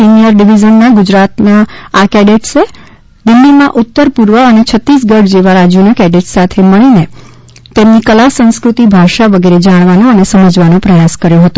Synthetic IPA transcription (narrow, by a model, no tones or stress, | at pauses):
sinijəɾɖiʋid͡ʒənːaɡʊd͡ʒɾat̪naːkɛɖeʈse | d̪ɪlːimãʔʊt̪ːəɾpuɾʋəənet͡ʃʰət̪ːɾis̬ɡəɖd͡ʒeʋaɾad͡ʒunəkɛɖeʈsat̪ʰeməɭine | t̪emnikəlasə̃skɾut̪ibʱaʃaʋəɡeɾed͡ʒaɽ̃ʋanõənesəməd͡ʒʋanõpɾəjaskəɾjõɦət̪o